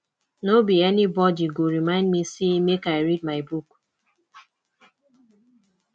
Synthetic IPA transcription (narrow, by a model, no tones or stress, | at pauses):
nobiɛnibɔdiɡoɹimãɪ̃ndmisemekaɪɹid̚maɪbuk